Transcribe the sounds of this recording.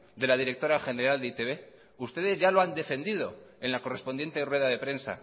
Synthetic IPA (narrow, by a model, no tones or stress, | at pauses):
d̪e̞lað̞iɾe̞k̚t̪o̞ɾaxe̞ne̞ɾald̪eit̪e̞βe̞ | ust̪e̞ðe̞zʝalo̞and̪e̞fe̞nd̪ið̞o̞e̞nlako̞re̞spond̪je̞nt̪erwe̞ðaðe̞pɾe̞nsa̰